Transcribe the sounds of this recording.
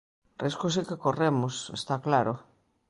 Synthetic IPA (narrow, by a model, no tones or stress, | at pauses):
riskos̬ikekoremʊsḛst̪aklaɾo